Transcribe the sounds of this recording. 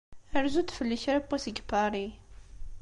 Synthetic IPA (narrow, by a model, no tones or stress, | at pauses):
æɾzud̪fəlːəçɾæbːæsəɡpaɾˤi